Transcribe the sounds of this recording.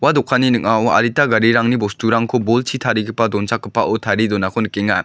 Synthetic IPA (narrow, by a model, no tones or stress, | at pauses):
wadɔkʰaninɯkawa̰ɾitaɡaɾiɾaŋnibɔstʰuɾaŋkʰobolt͡ʃʰitʰaɾiɡɯpadɔnsʰak̚ːɯpaʔɯtʰaɾidɔnakʰɔnɯkːeŋa